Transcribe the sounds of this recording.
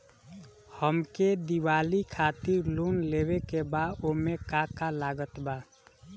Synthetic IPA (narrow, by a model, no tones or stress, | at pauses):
həmked̪iwaːlikʰaːt̪ɪɾluːnleːwekebaːd̪omẽkakalaːɡət̪baː